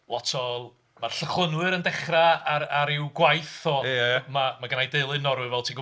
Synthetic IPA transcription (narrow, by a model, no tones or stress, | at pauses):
lˠɔtʰɔlˠ | marɬəχlˠənwɨɾəndɛχraaɾaɾɪwɡwajθɔmamaɡənajdeɨlˠɨnɔɾwɨvɛlˠtʰiːɡə